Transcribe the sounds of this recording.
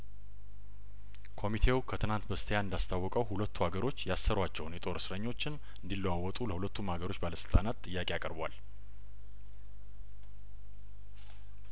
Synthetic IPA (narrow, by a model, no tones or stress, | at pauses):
kʰo̞mit̪ʰe̞wkʰət̪ʰɨnant̪bəst̪ʰəjaɨnd̪ast̪ʰawːɔkʼəwhulət̪ʰːuaɡəɾo̞t͡ʃːjasːəɾwat͡ʃːɛhwnjɛt̪ʼo̞ɾsɨɾəɲːo̞t͡ʃːɪn | ɨnd̪ilːəwawːɔt̪ʼuləhulət̪ʰːumhaɡəɾo̞t͡ʃːbaləsɨlt̪ʼanat̪ːʼɨjːakʼejakʼə̰ɾbwal